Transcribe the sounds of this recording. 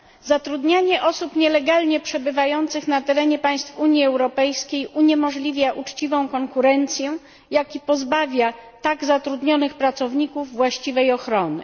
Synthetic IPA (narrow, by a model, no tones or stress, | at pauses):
zat̪ɾud̪ɲaɲɛʔɔsupɲɛlɛɡalɲɛpʂɛbɘvajɔnt̪sɘxnat̪ɛɾɛɲɛpaj̃st̪fuɲjiɛwɾɔpɛjskʲejuɲɛmɔʐlʲivʲjaʔut͡ʂt͡ɕivɔ̃w̃kɔŋkuɾɛnt̪sʲjɛ | jakʲipɔzbavʲjat̪aɡzat̪ɾud̪ɲɔnɘxpɾat̪sɔvɲikuvːwaɕt͡ɕivɛjɔxɾɔnɘ̰